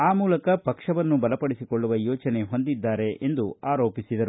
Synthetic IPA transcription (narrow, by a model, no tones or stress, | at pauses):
aːmuːlɐkɐpɐkʂɐʋɐnːubɐlɐpɐɽisiko̞ɭːuʋɐjoːt͡ʃɐne̞ɦo̞nd̪id̪ːaːɾe̞ʔend̪uaːɾo̞ːpisid̪ɐɾu